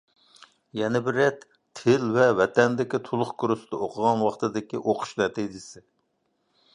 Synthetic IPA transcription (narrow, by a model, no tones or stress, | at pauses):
jɛnɪbɪɾɛt̪ʰː | ɪlvɛvɛt̪ɛnd̪ɪkʲit̪ʰolˠʊχkʰuɾusɨd̪əoqʰəʁɑnwɑχt̪ɨd̪ɪkʲiʔoqʰʊ̥ʃnɛt̪ʰid͡ʒɪsɪ